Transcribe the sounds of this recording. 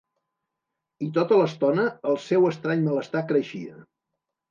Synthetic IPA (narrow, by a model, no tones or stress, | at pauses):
it̪ot̪ələst̪ɔnəːlˠsɛwəst̪ɾaɲmələst̪akɾəʃiə